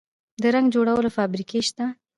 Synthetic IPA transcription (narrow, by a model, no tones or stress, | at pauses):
d̪əɾaŋɡd͡ʒoɽawəlofɑbɾikʰeʃt̪a